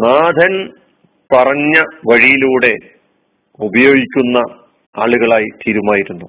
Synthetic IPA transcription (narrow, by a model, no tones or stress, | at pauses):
naːd̪ʱɐn | pɐrɐɲːɐʋɐɻijiluːɽe̞ | ubɐjo̞ːɡikʲːunːɐ | aːɭuɣɐɭaːjit̪ʰiːɾumaːjiɾunːu